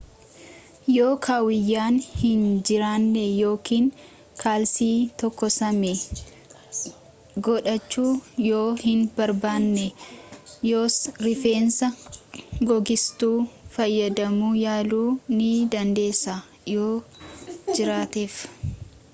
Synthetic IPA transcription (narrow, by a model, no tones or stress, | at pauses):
joːkʰaːwɪjːaːnhɪnd͡ʒɪɾaːnːɛjo̞ːkiːŋ | kʰaːlsiːt̪ɔkːɔsɐme | ɡɔᶑɐt͡ʃːuːjoːhɪnbɐɾbaːnːɛ | joːsɾɪfe̞ːnsɐ | ɡɔɡɪst̪uːfɐjːɐd̪ɐmuːjaːluːnɪd̪ɐnd̪e̞ːsːa | joː | d͡ʒɪɾaːt̪eːf